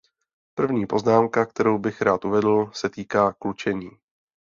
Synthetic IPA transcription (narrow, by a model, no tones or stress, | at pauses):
pr̩vɲiːpo̞znaːmkak̚t̪ɛɾowbɪxɾaːt̪ʔuvɛdl̩sɛt̪iːkaːklut͡ʃɛɲiː